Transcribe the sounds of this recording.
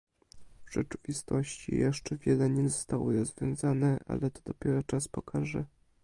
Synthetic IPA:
vʐ̥ɛt͡ʂɘvʲist̪ɔɕt͡ɕḭjɛʂt͡ʂɛvʲjɛlɛɲɛzɔst̪awɔɾɔzvʲjɔ̃w̃zanɛʔa̰lɛt̪ɔd̪ɔpʲjɛɾɔt͡ʂaspɔkʰaʐɛ

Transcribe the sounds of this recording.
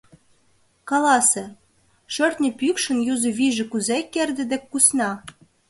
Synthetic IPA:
kɑlɑsĕ | ʃørt̪ʲnʲɘ̆pykʃə̆njuzɤ̆βiʒɘ̆kuzekːerd̪ɘ̆d̪ĕkːusnɑ

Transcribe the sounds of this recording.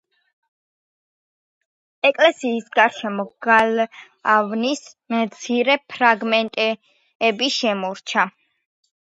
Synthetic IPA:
ɛkʼlɛsiːsɡaɾʃɛmɔɡ̥al | avnis | mt̪sʰiɾɛpʰɾaɡmɛnt̪ʼɛ | ɛbiʃɛmɔɾt͡ʃʰa

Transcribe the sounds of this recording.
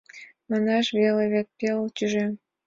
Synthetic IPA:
mɑnɑʃβeleβʲet̪̚pʲelt̪ʲyʒe

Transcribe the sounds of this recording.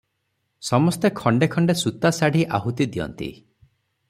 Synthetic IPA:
sɔmɔst̪ekʰɔɳɖekʰɔɳɖesut̪asaɽ̤iʔaɦut̪id̪iɔ̰nt̪ḭ

